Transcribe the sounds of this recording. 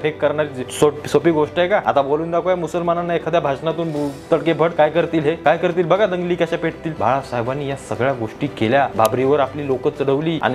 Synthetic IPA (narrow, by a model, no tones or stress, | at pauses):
fʰekːəɾɳaɾit͡sesosopiːɡoʂʈɦekaa̰t̪aboluːnd̪akojamusəlmanənːajekʰəd̪jabʱaɕnat̪uːnt̪əɽkebʱəʈkajkəɾt̪iːlɦekajkəɾt̪iːlbəɡad̪əŋɡliːkaɕapeʈ̚ʰt̪iːlba̰ɭasaɦebanːiːjasəɡɭjaɡoʂʈiːkeljabʱabɾiʋəɾapliːlokət̪̚t͡səɽəʋliːa̰ni